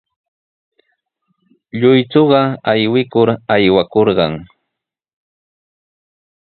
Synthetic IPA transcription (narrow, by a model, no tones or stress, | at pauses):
ʎʊjt͡soɢɑajwɪkʊɾajwakoɾɢɑŋ